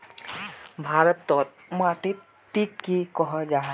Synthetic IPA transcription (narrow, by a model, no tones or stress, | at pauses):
bʱaɾɔt̪ːɔt̪̚mɔat̪i | t̪ːikːikɔɦɔd͡ʒaɦ